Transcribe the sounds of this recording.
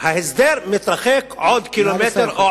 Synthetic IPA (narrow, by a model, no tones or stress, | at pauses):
hæhɪzd̪eːɾmɪt̪ɾˤɑxeːkʕoːd̪kilomet̪ɾʔa